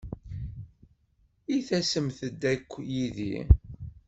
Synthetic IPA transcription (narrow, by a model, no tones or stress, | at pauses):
iθæsəmθəd̪ːækʷːjiðḭ